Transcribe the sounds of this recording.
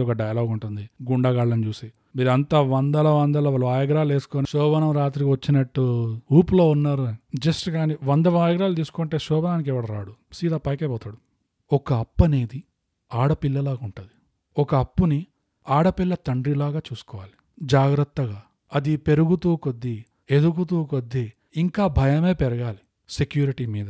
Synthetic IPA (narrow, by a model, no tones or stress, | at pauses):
ɔkɐɖɐjɐloːɡuɳʈund̪iɡuɳɖɐɡaːɭːɐnit͡ʃuːsiː | miːɾuɐnt̪aːʋɐnd̪ɐlɐʋɐnd̪ɐlɐʋɐlɐaːjɐɡɾaːle̞ːsu̥koːniʃɔːbɐnɐmɾaːt̪ɾikiʋɐt͡ʃːinɐʈːuuːpulo̞ːunːaːɾud͡ʒɐsʈkaːniʋɐnd̪ɐʋaːjɐɡɾaːlt̪̬iːsu̥koɳʈe̞ːʃɔːbɐnaːnik̬ɛʋɐɽɐɾa̰ːɽusiːd̪aːpɐjkɐpɔːt̪aːɽu | ɔkɐɐpːɐneːd̪i | aːɽɐpilːɐlaːɡuɳʈɐd̪i | ɔkɐːpːuni | aːɽɐpilːɐt̪ɐɳɖɾilaːɡaːt͡ʃuːsu̥kɔːʋaːli | d͡ʒaːɡɾɐt̪ːɐɡaː | ɐd̪ipe̞ɾuɡut̪uːkod̪ːi | e̞d̪ukut̪̬uːkod̪ːi | iŋkaːbʱɐjɐme̞ːpɛɾɐɡaːli | sekjuːɾiʈimiːd̪ɐ